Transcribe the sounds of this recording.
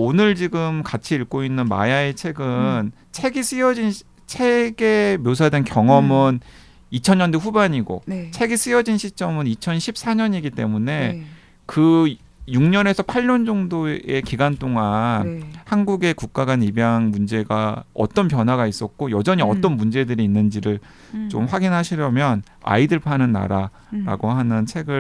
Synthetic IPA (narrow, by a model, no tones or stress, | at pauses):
onɯɭd͡ʑiɡɯmkat͡ɕʰiiɭk͈oinːɯnma̰jaet͡ɕʰe̞ɡɯn | t͡ɕʰe̞ɡis͈ɯjʌd͡ʑin | t͡ɕʰe̞ɡe̞mjos̬ʰadenkjʌŋʌmɯn | it͡ɕʰʌɲʌnduɸubaɲiɡo̰t͡ɕʰe̞ɡis͈ɯjʌd͡ʑinɕʰit͡ɕ͈ʌmɯnit͡ɕʰʌnɕʰip̚s͈aɲʌɲiɡit͈e̞mune̞ | kɯ | juŋɲʌne̞sʰʌpʰaɭɲʌnd͡ʑʌŋdoe̞kiɡant͈oŋanhanɡuɡe̞kuk̚k͈aɡanibjaŋmund͡ʑe̞ɡaʌ̰t͈ʌnp̬jʌnɦwaɡais͈ʌt̚k͈ojʌd͡ʑʌɲiʌt͈ʌnmund͡ʑe̞dɯɾiːnːɯnd͡ʑiɾɯɭ | t͡ɕomɸwaɡinɦaɕʰiɾjʌmjʌn | a̰idɯɭpʰanɯnːa̰ɾa | ɾa̰ɡoɦanɯnt͡ɕʰe̞ɡɯ